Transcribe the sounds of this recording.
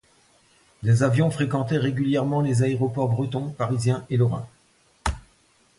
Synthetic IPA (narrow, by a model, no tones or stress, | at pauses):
lezavjɔ̃fχekɑ̃t̪ɛʁeɡʲyljɛʁmɑ̃lezaeʁɔpɔʁbʁət̪ɔ̃paʁizjɛ̃elɔʁɛ̰̃